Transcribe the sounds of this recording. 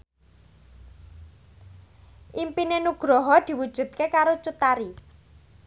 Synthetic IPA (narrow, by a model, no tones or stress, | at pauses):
ʔimpinenuɡ̥ɾɔɦɔd̪̥i̤wud̥ʒ̥ṳt̪̚kekaɾot͡ʃut̪aɾi